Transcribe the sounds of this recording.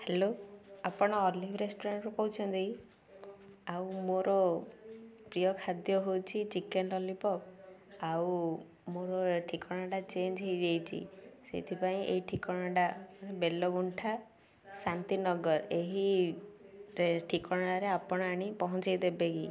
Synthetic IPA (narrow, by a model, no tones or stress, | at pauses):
heloapɔɽ̃ɔːlibʰʱɾesʈɔɾaɳʈɾukɔɦut͡ʃʰɔnd̪ei | awmoɾɔ | pɾijɔkʰad̪jɔɦowt͡ʃʰit͡ʃikenlɔlipɔkaw | moɾɔʈʰikɔɽ̃aɖat͡ʃend͡ʒɦejd͡ʒejt͡ʃʰḭsḛt̪ʰipaĩʔeɦiʈʰikɔɽ̃aɖamaɽebelɔbuɳʈʰa | sant̪inɔɡɔɾeɦi | ɾeʈʰikɔɽ̃ɔɽaɾeapɔɽ̃ɔaɽ̃ipɔɦɔt͡ʃajd̪ebeki